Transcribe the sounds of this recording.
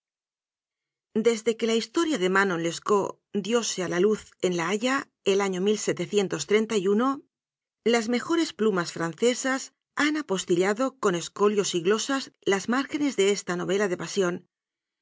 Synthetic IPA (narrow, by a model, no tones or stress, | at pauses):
d̪e̞zðe̞ke̞laist̪o̞ɾjaðe̞mano̞le̞sko | d̪jo̞sealaluθe̞nlaaʎa | elaɲo̞milse̞t̪e̞θje̞nt̪o̞st̪ɾe̞nt̪ajuno̞ | lazme̞xo̞ɾe̞splumasfɾan̟θe̞sas | anapo̞st̪iʎaðo̞ko̞ne̞sko̞ljo̞siɣlo̞sazlazmaɾxe̞ne̞zðe̞est̪ano̞β̞e̞laðe̞pasjo̞n